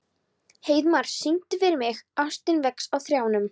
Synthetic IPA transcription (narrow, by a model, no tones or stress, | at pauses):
heːjðmaɾ̥sːint̪ɪfɪɾɪɾmɪɣast̪ɪnvɛksawθɾjaːwnʏm